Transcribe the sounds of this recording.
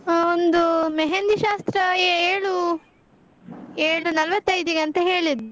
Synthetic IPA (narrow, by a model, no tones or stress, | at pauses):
ond̪umeɦend̪iʃaːst̪ɾɐjeeːɭu | eːɭunɐlʋɐt̪ːɐjd̪iɡɐnt̪ɐɦeːɭid̪u